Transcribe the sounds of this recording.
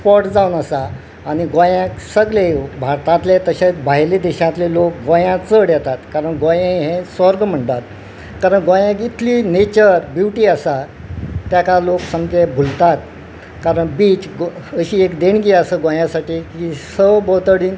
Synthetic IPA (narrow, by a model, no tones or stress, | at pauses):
spɔɾʈd͡zawnəsaː | niɡõjãksəɡlebʱaɾt̪ãt̪let̪əɕat͡sbʱaɦjled̪ɛɕãt̪lelok̚ɡõjãt͡səɽjɛt̪at̪kaɾəɳɡõjẽɦẽsɔɾɡm̤əɳt̪at̪̚ | kaɾəɳɡõjãkit̪ʰliːnet͡ɕəɾbjuʋʈiːəsa | t̪jakaloksəmd͡zebʱult̪at̪ | kaɾəɳbiːt͡ɕɡəɕiːekd̪eɳɡiəsəɡõjãsaʈiːkisəbot̪əɽiːn